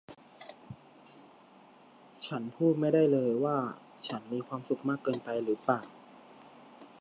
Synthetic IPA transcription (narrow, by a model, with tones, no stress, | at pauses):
t͡ɕʰa˦˥npʰuː˥˩t̪̚ma˥˩jda˥˩jlɤː˧jwaː˥˩ | t͡ɕʰa˦˥nmiː˧kʰwaː˧msu˨˩k̚maː˥˩kːɤː˧npa˧jɾɯː˩˦paː˨˩